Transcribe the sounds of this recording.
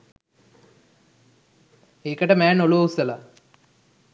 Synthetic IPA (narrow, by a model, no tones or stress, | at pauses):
eːkəʈəmæːnoluusəla